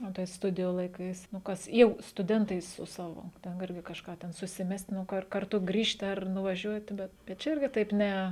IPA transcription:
oː tɐɪ ˈstʊdʲɪjuː lˠɐɪˈkɐɪs nʊ ˈkɐs jɛʊ stʊˈdʲɛntɐɪ sʊ ˈsɑːʋoː ˈtʲɛn ˈɪrʲɡʲɪ kɐʃˈkɑː tʲɛn sʊsʲɪˈmʲɛsʲtʲ nʊ ˈkɐr kɐrˈtʊ ˈɡrʲiːʃʲtʲɪ ɐr nʊʋɐˈʒʲuɔtʲɪ bʲɛt bʲɛt ˈt͡ʃʲɛ ˈɪrʲɡʲɪ tɐɪp ˈnʲɛ

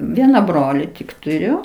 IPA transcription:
ˈʋʲiɛnɐ ˈbroːlʲɪ tʲɪk tʊˈrʲʊ

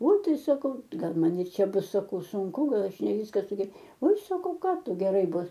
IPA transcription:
oːɪ ˈtɐɪ sɐˈkɐʊ ˈɡɐlˠ ˈmɐn ɪr ˈt͡ʃʲɛ ˈbʊs sɐˈkɐʊ sʊŋˈkʊ ˈɡɐlˠ ɐʃ nʲɛ ˈʋʲiːskɐ sʊɡʲɛ oːɪ sɐˈkɐʊ ˈkɑː ˈtʊ ɡʲɛˈrɐɪ ˈbʊs

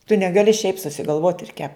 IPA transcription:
tʊ nʲɛɡɐˈlʲɪ ʃʲɛɪp sʊsʲɪɡɐlˠˈʋoːt ɪr kʲɛp

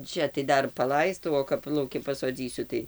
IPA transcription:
ˈt͡ʃʲɛ tɐɪ ˈdɐr pɐˈlˠɐɪstɐʊ oː kɐp lˠɐʊˈkʲɪ pɐsoːˈd͡zʲiːsʲʊ tɐɪ

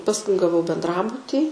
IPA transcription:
pɐsˈkʊɪ ɡɐˈʋɐʊ bʲɛndˈrɑːbʊtʲiː

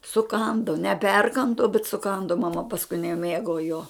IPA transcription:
sʊˈkɐndʊ nʲɛˈpʲɛrkɐndʊ bʲɛt sʊˈkɐndʊ mɐˈmɐ pɐsˈkʊɪ nʲɛˈmʲeːɡoː joː

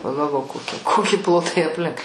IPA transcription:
pɐɡɐlˠˈʋoːk koːˈkʲɪ ˈkoːkʲɪ ˈplˠoːtɐɪ ɐpʲˈlʲɪŋk

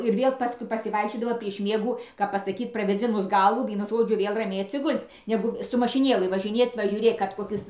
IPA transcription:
ɪr ˈʋʲiɛlˠ ˈpɑːskʊɪ pɐsʲɪˈʋɐɪkʃʲt͡ʃʲoːdɐmɐ pʲrʲiɛʃ ˈmʲiɛɡuː kɐp pɐsɐˈkʲiːt prɐʋʲeːˈd͡zʲɪnʊs ˈɡɐlˠʋuː ˈʋʲiɛnʊ ˈʒoːd͡ʒʲʊ ˈʋʲeːlˠ rɐˈmʲɛɪ ɐtʲsʲɪˈɡʊlʲt͡sʲ ˈnʲæːɡʊ sʊ mɐʃʲɪˈnʲeːlˠɨ ʋɐʒʲɪˈnʲeːt͡s ʋɐ ʒʲuːˈrʲeːk kɐt koːˈkʲɪs

